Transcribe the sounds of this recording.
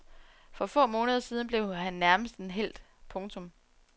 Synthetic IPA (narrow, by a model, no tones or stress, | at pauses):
fɒ̽fɔ̰̽ːmɔ̽ːnəð̞ˠɐsiːðˠn̩b̥le̝ʊɦænːæɐməsd̥n̩ɦel̰d̥ | pʰɔ̽ŋt͡sʰɔ̽m